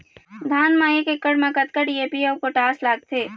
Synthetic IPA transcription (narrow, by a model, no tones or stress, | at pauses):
d̪ʱaːnmaːjekekəɽmãkɐt̪kəɖieːpiɔːkoʈaːslaːɡ̚t̪ʰeː